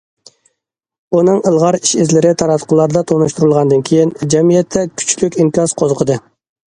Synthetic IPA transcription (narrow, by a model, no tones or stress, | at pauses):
unɨŋəlˠʁɑɾiʃɪzlɪɾɪt̪ʰɑɾɑt̪ʰqʰəlˠɑɾd̪ɑt̪ʰonuʃt̪uɾulˠʁɑnd̪ɨnkʲʰejind͡ʒɛmijɛt̪ʰːɛkʲʰy̥t͡ʃʰlykʲiŋkʲɑsqʰozəqʰəd̪ɨ